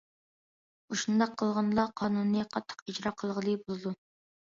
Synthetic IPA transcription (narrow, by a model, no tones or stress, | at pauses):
uʃund̪ɑqʰːəlˠʁɑnlˠɑqʰɑːnunːɨqʰɑt̪ʰːə̥qid͡ʒɾɑqʰəlˠʁəlˠɨbolˠɨd̪u